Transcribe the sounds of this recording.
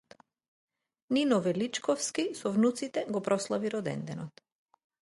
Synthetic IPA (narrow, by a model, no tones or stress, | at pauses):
ninɔvɛlit͡ʃkɔfskisɔvnut̪sit̪ɛɡɔpɾɔslˠaviɾɔd̪ɛ̰nd̪ɛnɔt̪